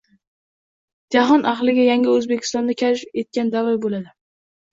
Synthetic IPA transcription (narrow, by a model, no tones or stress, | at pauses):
d͡ʒaɦɒnʔaχlɪɡʲajaŋʲɪɵzbekʲʰɪ̥st̪ɒnd̪akʲʰaet̪̚kʲand̪avɒjbolad̪ɪ